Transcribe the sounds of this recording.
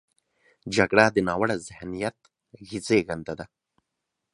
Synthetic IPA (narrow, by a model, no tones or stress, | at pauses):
d͡ʒaɡɽad̪ənɑːwaɽazɪhnijat̪ | ɣit͡seɣand̪ad̪a